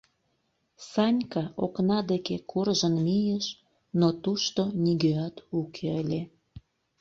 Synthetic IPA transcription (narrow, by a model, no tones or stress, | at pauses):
sɑnʲkɑoknɑd̪ekekʰurʒənmijəʃ | not̪uʃt̪onʲiɡøɑt̪ukʰeəlʲe